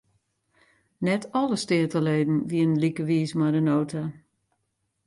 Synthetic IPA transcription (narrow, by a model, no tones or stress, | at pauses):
nɛtɔləstɪətəleːdn̩ʋiənənlikəʋiːsmajdənoːtʰa